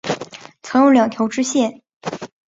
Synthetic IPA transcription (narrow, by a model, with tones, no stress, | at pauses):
t͡sʰɤ˧˥ŋjo˥ŋljɑ˨˩ŋt̪ʰjo˧˥ʊʈ͡ʂɻ̩˥ɕjɛ˥˩n